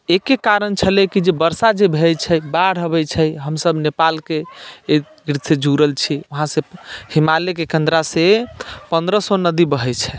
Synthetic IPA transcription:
ekekaɾənt͡ʃʰəlɛkid͡ʒebəɾsad͡ʒebʱejt͡ʃʰəjbaɽɦəβɛt͡ʃʰəjɦəmsəbnepalke | ɡɾit̪sed͡ʒʱuɾəlt͡ʃʰiuɦãsẽhimalekekend̪ɾasepənd̪ɾəsɔnəd̪ibəɦɛt͡ʃʰɛ

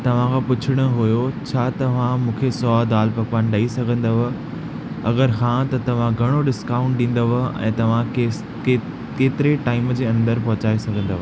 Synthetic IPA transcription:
t̪ɐʋ̤ãkʰãːpʊt͡ɕʰɪɽ̃ə̆ɦujot͡ɕʰaːt̪ɐʋ̤ãmũːkʰesɔaːd̪aːlpɐkpaːnɗɐisɐɡʱə̃nd̪ɐʋ | ɐɡəɾxʰãt̪ɐt̪ɐʋ̤ãɡʱɐɽ̃oɖɪskaːʊ̃ɳʈɗĩːn̆d̪əʋəɛ̰̃ːt̪ɐʋ̤ã | kː | keːt̪ɪɾeʈaːɪmd͡ʑeːɐ̃nd̪əɾpɐɦʊt͡ɕaːesɐɡʱə̃nd̪ɐʋ

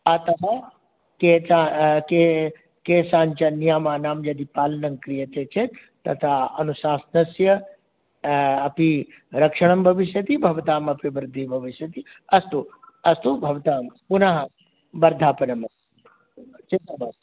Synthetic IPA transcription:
aːt̪ɐma | ket͡ʃake | keːsaːnt͡ʃɐnijaːmaːnaːmd͡ʒɐd̪ipaːlɐnɐŋkɾijɐt̪eːt͡ʃʰe | t̪ɐt̪ʰaɐ̰nusaːsnɐsjɐ | ɐpi | ɾɐkʂɐɽ̃ɐmbʱɐʋiʃjɐt̪ibʱɐʋt̪aːmɐpibɾd̪ʱibʱɐʋiʃjɐt̪i | ɐst̪u | ɐst̪ubʱɐʋt̪aːmpunaɦɐ | bɐɾd̪ʱaːpɐnɐmɐ | t͡ʃit̪ːɐbaː

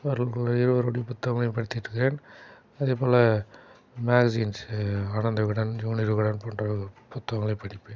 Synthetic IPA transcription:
ɐɾɐlkɐɭɐɪɾɯʋɐɾoːɽɪjɐpʊt̪ːɐʋɐŋɡɐɭɐjʊ̃mpɐɽɪt̪ːɪɾɯkːɪɾeːn | ɐðeːpoːlɐ | maːɡɐsiːnsaːɳɐnd̪ɐɣɯɽɐnd͡ʒuːnɪɾɯɣɐɽɐnpoːɳɖrɐpʊt̪ːɐʋɐŋɡɐɭɐɪpːɐɽɪpːɯ

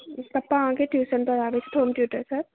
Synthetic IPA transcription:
t̪ɐpːaãkeʈjuːsənpəɾaːbɛt͡ʃʰɛ̥t̪ʰoːnʈjuːʈəɾsɐɾ

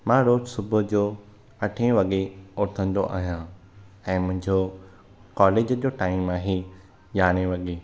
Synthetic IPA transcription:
mãɾoːd͡ʑsʊbʱʊ̆d͡ʑoː | ɐʈʰẽʋɐɠeoːɾt̪ʰə̃nd̪oʔa̰ːɦijã | ɛ̃ːmʊ̃ɦɪ̃ɲd͡ʑo | kɔːleːd͡ʑd͡ʑoːʈaːɪmãːɦe | ʄaːɽ̃eʋɐɠeː

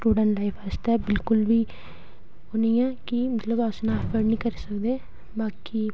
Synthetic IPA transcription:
ʈuːɖə̃ɳʈlaːɪfʰast̪ɛːbɪlkʊlʋiː | onĩːãːkimət̪ləbasnãːpʰəɾnĩːkəɾisəkd̪eː | baːkiː

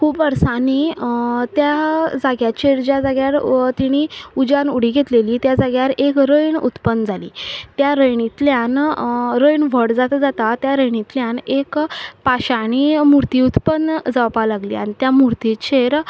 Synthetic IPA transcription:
kʰuːbəɾsanit̪jad͡zaɡjat͡ɕʰeɾd͡ʑad͡zaɡjaɾt̪iɽ̃iud͡ʑanuɽiːɡʱet̪leliːt̪jad͡zaɡjaɾekɾəjɳṵt̪pənːd͡zʱalḭːt̪jaɾəjɳit̪ljanɾəjɳʋ̤əɽd͡zat̪d͡zat̪at̪jaɾəjɳit̪ljanekpaɕaɽ̃imuɾt̪iut̪pənd͡zawpalaɡlḭːa̰ɽ̃it̪jamuɾt̪it͡ɕʰeɾ

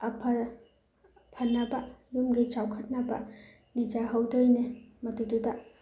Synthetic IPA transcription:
ɐpʰɐɾ | pʰɐnːɐbɐjumɡit͡ʃawkʰɐt̚nɐbɐ | nid͡ʒaɦɐwdojnemɐtududɐ

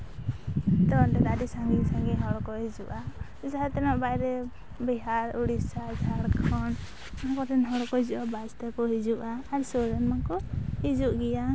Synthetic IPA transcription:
t̪ɔɔnʈɛd̪adisaŋɡisaŋɡiɦɔɽɔkɔɦid͡ʒuʔa | d͡ʒaɦat̪ɛnɔʔbajɾɛ | biɦaɾuɽisasaɽkʰɔn | akɔt̪ɛnɦɔɽɔkɔɦid͡ʒuʔabad͡ʒt̪ɛkɔɦid͡ʒuʔaːɾsɔɾɛnmakɔhid͡ʒuʔɡɛja

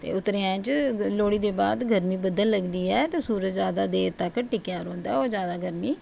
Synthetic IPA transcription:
t̪ḛːʊt̪ɾeːãːt͡ʃloːɽiːd̪eːbaːd̪ɡʱəɾmiːbəd̪əlːəɡd̪iːɛːt̪eːsuːɾətzjaːd̪aːd̪eːɾt̪akːəʈɪkjaːɾõːnd̪aːɛoːzjaːd̪aːɡəɾmiː

